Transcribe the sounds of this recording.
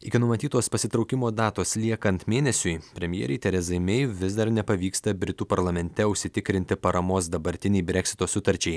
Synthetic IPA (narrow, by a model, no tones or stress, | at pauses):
ɪkʲɪnʊmɐt̪ʲiːt̪oːspɐsʲɪt̪ɾɒʊkʲɪmoːd̪ɑːt̪oːslʲiɛkɐnt̪mʲeːnʲɛsʲʊjpʲɾʲɛmʲjɛ̰ːɾʲɛɪt̪ʲɛɾʲɛzɐɪmʲɛɪʋʲɪzd̪ɐɾnʲɛpɐʋʲiːkst̪ɐbʲɾʲɪt̪uːpɐɾlˠɐmʲɛnʲt̪ʲɛʊʃʲsʲɪt̪ʲɪkɾʲɪnʲt̪ʲɪpɐɾɐmoːsd̪ɐbɐɾʲt̪ʲɪnʲɛɪbʲɾʲɛkʲsʲɪ̥t̪oːsʊt̪ɐɾʲt͡ʃʲɛɪ